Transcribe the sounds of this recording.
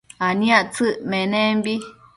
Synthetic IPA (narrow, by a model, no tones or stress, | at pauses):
anĩãʔt͡sɨʔmẽnẽmbi